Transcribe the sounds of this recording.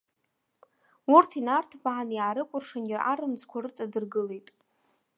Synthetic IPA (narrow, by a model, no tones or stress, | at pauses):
urtʰinartʰbaanjaːɾɨkʷʼʊrʂanarʔaɾɨmd͡zkʷʰaɾɨt͡sʼadɨrɡɨle̞jtʼ